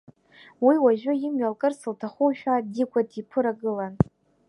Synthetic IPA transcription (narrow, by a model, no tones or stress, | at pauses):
wiwaʒᶣʊjɪmɥalkʼɨrsɨltʰaχʷuʃᶣadikʷadʰipʰɨɾaɡɨlan